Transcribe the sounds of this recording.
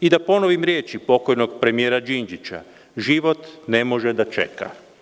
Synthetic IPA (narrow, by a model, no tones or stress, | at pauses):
id̪apo̞noʋimɾje̞ːt͡ʃipo̞ko̞jno̞ɡpɾe̞mije̞ːɾad͡ʒind͡ʒit͡ɕa̰ | ʒiʋo̞t̪ne̞mo̞ʒed̪at͡ʃe̞̰ka̰